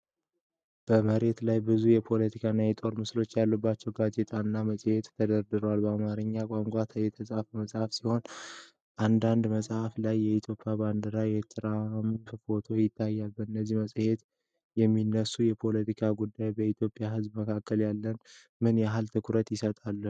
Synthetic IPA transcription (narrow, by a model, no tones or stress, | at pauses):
b̥əməɾe̞t̪lajbɨzujɛpʰo̞lət̪ʰikʰaɨnːajɛt̪ʼo̞ɾmɨslo̞t͡ʃːjalːəbːat͡ʃːɛwɡaze̞t̪ʼʰanːaməsʼhe̞t̪t̪ːʰəd̪əɾd̪ɨɾəwalbəamaɾɨɲːakʼaŋkʷʼat̪ʰəjɛt̪ʰəsʼafməsʼhafsiho̞n | ʔand̪and̪məsʼhaflajːɛit̪ʰjo̞pʼːjaband̪əɾajɛt̪ʰɨɾamfʰɨfo̞t̪ʰo̞jɪt̪ʰːajːalbəɨnːəzːihməsʼhe̞t̪ | jɛmːinːəsujɛpʰo̞lət̪ikʰaɡud̪ːajbəit̪ʰjo̞pʼjahɨzbməkʰakːəljalːən | mɨnjaɦalt̪ʰɨkʰɾət̪jɪsət̪ʼalːə